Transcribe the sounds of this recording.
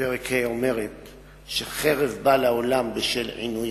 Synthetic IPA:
eʁekʰheome̞ʁet̪ | ʃeχeʁevbalaolambeʃelʕḭnuj

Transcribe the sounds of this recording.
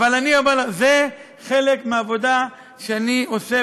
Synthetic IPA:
valaniabalaze | χe̞lekmeavo̞d̪a | ʃeanio̞se

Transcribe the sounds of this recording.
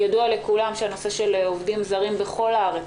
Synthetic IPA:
jad̪uale̞kulamʃeano̞se̞ʃe̞lovdimzaʁimbe̞χo̞laaʁe

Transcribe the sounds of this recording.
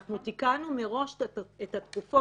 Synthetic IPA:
χnut̪ikanumeʁo̞ʃet̪hat̪kufo

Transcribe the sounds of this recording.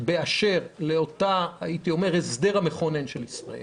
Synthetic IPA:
beaʃe̞ʁle̞otaait̪io̞me̞ʁezd̪e̞ʁame̞χo̞ne̞nʃelisʁa̰ḛl

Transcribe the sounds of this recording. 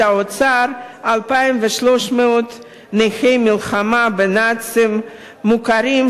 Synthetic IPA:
aot͡saɾalpajimveʃloʃmeot̪ | nejχejmilχamabenat͡simː | ukaɾim

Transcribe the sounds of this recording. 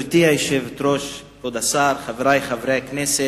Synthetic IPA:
ɾtiːaɪʃɪvtɾɔʃ | od̪asaɾχavɾaɪχavɾɛknɪsɪ

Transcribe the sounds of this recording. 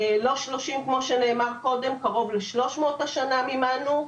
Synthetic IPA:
lo̞ʃloʃimkmo̞ʃene̞ːmaʁko̞demkaʁo̞vleʃlo̞ʃmo̞ːt̪haʃanamimanu

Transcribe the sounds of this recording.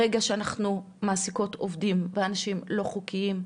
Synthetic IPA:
eɡaʃeanaχnu | maːsiko̞tovdimveanaʃimlo̞χukiim

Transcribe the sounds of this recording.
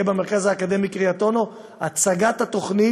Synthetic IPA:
ebeme̞ʁkazaːkad̪e̞mikʁiat̪o̞no̞ | at͡saɡat̪hat̪o̞χni

